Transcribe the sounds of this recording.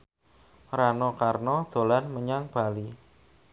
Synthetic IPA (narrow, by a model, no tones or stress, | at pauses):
ɾanɔkarnɔd̪̥o̤lanməɲaŋb̥a̤li